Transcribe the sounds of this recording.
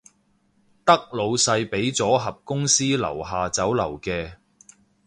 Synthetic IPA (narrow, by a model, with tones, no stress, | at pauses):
t̪ɐ˥k̚lo˨˧wsɐ˧jpe˨˥jt͡sɔː˨˥ɦɐ˨p̚kʊ˥ŋsiː˥lɐ̰˨˩wɦaː˨t͡sɐ˨˥wlɐ˨˩wkɛː˧